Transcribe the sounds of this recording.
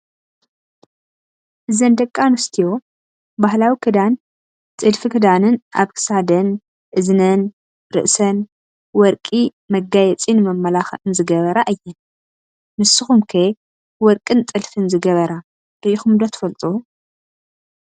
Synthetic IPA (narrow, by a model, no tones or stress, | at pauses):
ʔɨzɐnd̪ɐkʼːanɔst̪ʰijo̞ | bahlawikʰɨd̪an | t͡sʼɨlfɨkʰɨd̪anɨnʔa̰βkʰɨ̥sad̪ɐn | ʔɨznɐn | ɾɨ̰ʔsɐn | wɔɾkʼi | mɐɡajɛt͡sʼinɨmɐmːɐlaxɐ̰tʼɨnzɨɡɐβɐɾaʔɨjːɛn | mɨsːɨxumkʰe | wɔɾkʼɨnt̪ʼɨlfɨnzɨɡɐβɐɾa | b̥ɨʔixumd̪ot̪ʰɨ̥fɐlt̪ʼu